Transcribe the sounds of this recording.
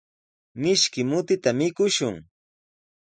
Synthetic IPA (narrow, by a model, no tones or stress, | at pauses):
mɪʃkɪmʊt̪ɪt̪amɪkʊʃʊŋ